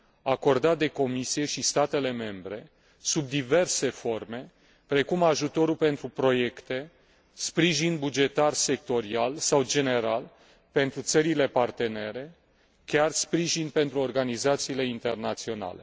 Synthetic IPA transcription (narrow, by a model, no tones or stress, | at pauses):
ako̞rd̪at̪̚d̪e̞ko̞misije̞ʃist̪at̪e̞le̞me̞mbɾe̞ | sub̚d̪ive̞rse̞fo̞rme̞ | pɾe̞kumaʒut̪o̞ɾulpe̞nt̪ɾupɾo̞je̞kt̪e̞ | spɾiʒinbud͡ʒe̞t̪arse̞k̚t̪o̞ɾialsawd͡ʒe̞ne̞ɾal | pe̞nt̪ɾut̪səɾile̞part̪e̞ne̞ɾe̞ | kʲarspɾiʒinpe̞nt̪ɾuo̞rɡanizat̪siːle̞int̪e̞rnat̪sio̞na̰lḛ